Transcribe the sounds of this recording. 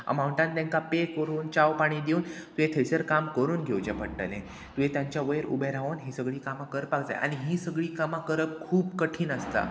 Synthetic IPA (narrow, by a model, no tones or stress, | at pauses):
ə̰mauɳʈãnt̪ɛ̃ŋkapekəɾuːnt͡ɕaʋpaɽ̃iːd̪iuːnt̪uɦet̪ʰəjsəɾkamkəɾuːnɡʱewd͡ʑapəɽʈə̰nḛ | t̪ujet̪jaɲt͡ɕjaʋəjəɾṵbeɾaʋənɦiːsəɡɭiːkamakəɾpakd͡za̰jʔa̰ɽ̃iɦiːsəɡɭiːkamakəɾəp̚kʰuːbkəʈʰiːnəst̪a̰